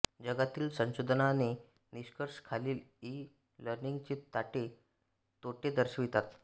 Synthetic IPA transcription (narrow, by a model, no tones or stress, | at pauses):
d͡ʑəɡat̪iːlsə̃ɕod̪ʱnane | niɕkəɾʂkʰaliːli | ləɾniŋɡt͡ɕet̪aʈe | t̪oʈed̪əɾɕʋit̪at̪